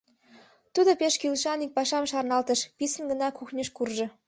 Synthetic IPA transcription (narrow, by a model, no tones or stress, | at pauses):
t̪ud̪opeʃkylʃɑnik̚pɑʃɑmʃɑrnɑlt̪ə̆ʃpisə̆nɡə̆nɑkuxnʲeʃkurʒɤ̆